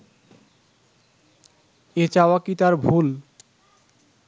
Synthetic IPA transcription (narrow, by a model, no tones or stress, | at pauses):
et͡ɕaoakit̪aɾbʱul